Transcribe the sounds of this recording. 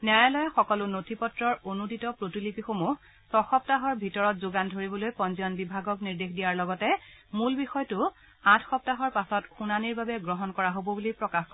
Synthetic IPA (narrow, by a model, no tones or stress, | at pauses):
nɛjalɔjaxɔkɔlʊnotʰipɔtɹɔɹonudʱitɔpɹotilipixomu | sɔxɔp̚taɦɔɹbʱitɔɹɔtzoɡandʱoɹibɔlojpɔnziɔnbibʱaɡɔkniɹdexdijaɹlɔɡɔtɛ | mulbixɔjtʊ | ãtʰxɔp̚taɦɔɹpasɔtxunaniɹbabɛɡɹɔɦɔnkɔɹaɦobɔbulipɹɔkaxk